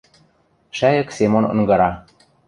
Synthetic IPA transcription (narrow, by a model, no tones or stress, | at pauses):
ʃæjɤ̆ksemonɤ̰̆ŋɡɤ̆ɾɑ